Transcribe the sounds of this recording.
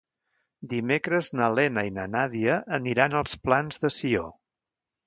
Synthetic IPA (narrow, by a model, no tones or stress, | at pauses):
d̪imekɾəznəlɛnəinənaðiəʔːniɾanəlˠsplanzðəsio̰